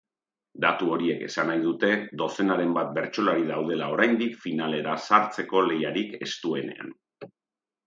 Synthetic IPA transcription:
d̪at̪uo̞ɾie̞ke̞̰sanajðut̪e̞ðo̞se̞naɾe̞mbat̪̚be̞ɾt͡ʃo̞laɾiðawð̞e̞lao̞ɾajnd̪ikfinale̞ɾasaɾt͡se̞ko̞le̞jaɾike̞st̪ue̞ne̞̰a̰n

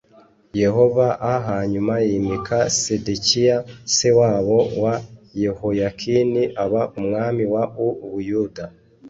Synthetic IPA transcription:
je̞ho̞vaʔaɦaɲumajiːmikʰasedekijasewaːβo̞waje̞hojakʰiniʔaβaʔumŋaːmiwauβujuda

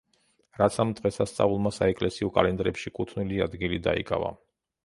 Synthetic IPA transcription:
ɾat̪sʰamt̪ʼqɛsast̪sʼa̰vulˠmasaɛkʼlɛsiɔkʼalɛnd̪ɾɛpʃikʼut̪ʰniliad̪ɡilid̪a̰ḭkʼa̰va̰

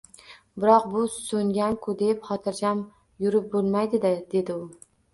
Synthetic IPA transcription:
bɪɾɒqbʊsɵŋɡʲaŋkʰʊd̪e̞pχɒt̪ʰɪɾd͡ʒʲam | jʊɾɪp̚bolˠmajd̪ɪd̪ɪd̪e̞d̪ɪʊ

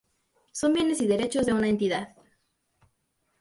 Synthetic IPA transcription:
so̞mbje̞ne̞siðe̞ɾe̞t͡ʃo̞zðe̞unae̞nt̪iðað

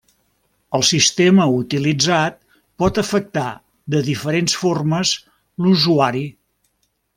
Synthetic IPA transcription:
əlˠsist̪eməut̪ilid͡zat̪̚ | pɔt̪əfək̚t̪a̰ | d̪əðifəɾensforməz | luzuaɾi

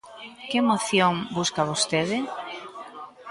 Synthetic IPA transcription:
kɪmoθjoŋbuskaβ̞ost̪eðɪ

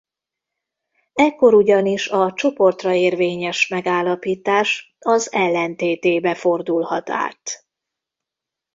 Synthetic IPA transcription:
ɛkːo̞ɾuɟɒniʃɒt͡ʃo̞po̞rt̪rɒeːrveːɲɛʃmɛɡaːlːɒpiːt̪aːʃ | ɒzɛlːɛnt̪eːt̪eːbɛfo̞rd̪ulhɒt̪a̰ːt̪

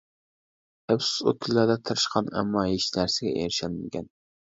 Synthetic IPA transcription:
ɛpsu̥sṵt̪̚kʰʲylːæɾd̪ɛt̪ʰɨɾɨʃqʰɑnɛ̰mːɑjiʃnæɾsɪɡʲɛʔeɾɪʃɛlmɪɡʲɛn

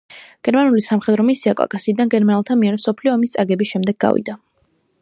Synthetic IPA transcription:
ɡ̥ɛɾmanulisamχɛd̪ɾɔmisiakʼa̰kʼasiːd̪anɡɛɾmanɛlˠt̪ʰamiɛɾɛmsɔpʰliɔːmist̪sʼaɡɛbisʃɛmd̪ɛɡːa̰vḭd̪a

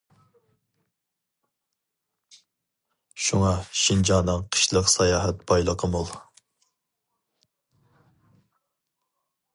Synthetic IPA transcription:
ʃuŋɑʃind͡ʒɑnɨŋqʰə̥ʃlˠəqsɑjɑːɦɛt̪̚bɑjlˠəqʰəmulˠ

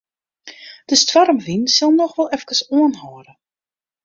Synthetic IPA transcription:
d̥əstʋarəmʋinsalˠnɔxʋɛlˠɛfkəsoənɦɔːɾə

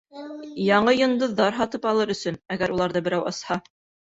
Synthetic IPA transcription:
jɑɴɤjŏnd̪ɤ̆ðːɑɾɦɑt̪ɤpɑlˠɤɾɵ̆sɵnæɡæɾulˠɑɾðɤbɘ̆ɾæwɑ̰shɑ

